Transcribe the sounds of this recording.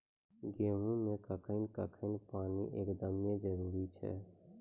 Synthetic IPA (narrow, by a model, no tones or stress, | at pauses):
ɡeːɦũmẽkəkʰəɪnkəkʰənpaːnḭʔeːkd̪əmjẽd͡ʒəɾuːɾit͡ʃʰɛ̰